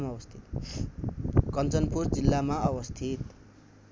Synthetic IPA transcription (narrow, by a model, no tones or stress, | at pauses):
maʌwʌst̪ʰit̪ | kʌnt͡sʌnpurd͡zilːamaʌwʌst̪ʰit̪